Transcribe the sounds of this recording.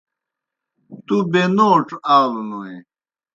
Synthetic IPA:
t̪ubenoːʈ͡ʂaːlunoe

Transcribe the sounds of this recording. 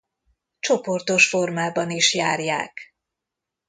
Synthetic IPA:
t͡ʃo̞po̞rt̪o̞ʃfo̞rmaːbɒniʃjaːrja̰ːk

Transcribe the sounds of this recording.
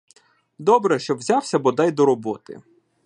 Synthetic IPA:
d̪ɔbɾɛʃt͡ʃɔwzʲawsʲɐbɔd̪ɛjd̪ɔɾɔbɔt̪ɪ̰

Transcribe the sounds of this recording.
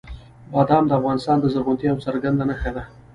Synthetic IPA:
bɑd̪ɑmd̪əafɣɑnɪst̪ɑnd̪əzəɾɣʊnt̪iawt͡saɾɡand̪lanaxad̪a

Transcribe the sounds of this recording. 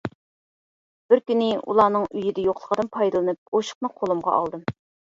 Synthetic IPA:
b̥ɪɾkʲynɪṵlˠɑːnɨŋyjɪd̪ɛjoqʰlˠəʁəd̪ɨnpʰɑjd̪ɨlˠɨnɨp̚oʃə̥qnɨqʰolˠumʁɑ̰ʔɑ̰lˠd̪ɨm

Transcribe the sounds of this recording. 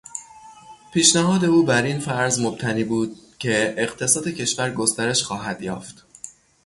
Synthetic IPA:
pʰiːʃnæɦɒːd̪e̞uːbæɾinfæɾzmob̥̚t̪ʰæniːbuːd̪̥̚cʰe̞eɢt̪ʰe̞sɒːd̪e̞cʰe̞ʃvæɾɡo̞st̪æɾe̞ʃxɒːɦæd̪̥jɒ̰ːft̪

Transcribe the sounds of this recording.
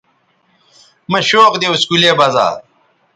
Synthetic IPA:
mɐɕoːqd̪euskuleːbɐza̰ːɾ

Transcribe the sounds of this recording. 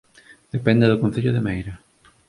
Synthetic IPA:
d̪̥epɛnd̪ɪðʊkon̟θeʎʊðemejɾa

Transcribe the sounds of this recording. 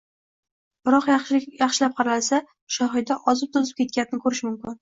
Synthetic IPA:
bɪɾɒqjʃjɑχʃɪlap̚qʰɑɾalsa | ʃɒɦɪd̪aʔɒzɪp̚t̪ʰʊzɪp̚kʲʰe̞t̪̚kʲanɪnɪkʰɵɾɪʃmʊmkʲɪn

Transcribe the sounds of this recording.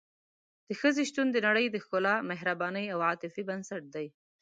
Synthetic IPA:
d̪̥əxəzeʃt̪und̪ənaɽəjd̪əxkʊlɑmɪɦɾabɑnəjawɑt̪ɪfibansaʈ̚d̪aj

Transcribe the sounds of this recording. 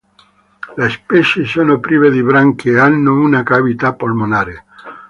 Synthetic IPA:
lespeʃesonopɾiβeðiβɾaŋkeanːounakaβit̪apolmonaɾe

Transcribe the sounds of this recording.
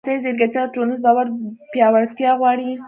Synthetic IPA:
sazeɾɡat̪jɑʈonɪzbɑwaɾpjɑwaɽt̪jɑɣwɑɽi

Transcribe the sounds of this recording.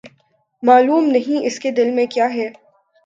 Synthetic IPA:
maːluːmnɐɦĩɪsked̪ɪlmẽkjaːɦɛː

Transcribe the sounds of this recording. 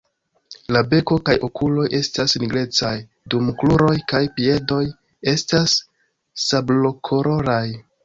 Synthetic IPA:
labe̞ko̞kajo̞kulo̞jʔe̞stasniɡɾe̞t͡saj | dumkluɾo̞jkajpie̞do̞j | e̞stasː | ablo̞kʰo̞ɾo̞ɾaj

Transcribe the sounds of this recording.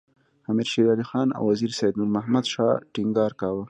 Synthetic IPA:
hamiɾʃiɾɑːlixɑːna̰wːaziɾsajd̪nuɾmahmad̪ʃɑ̰ʈiŋɡɑːɾkɑwə

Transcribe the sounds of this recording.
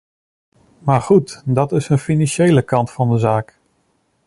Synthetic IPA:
maːɹχutdɑtɪsənfinɑnʃejləkɑntfɑndəzaːk

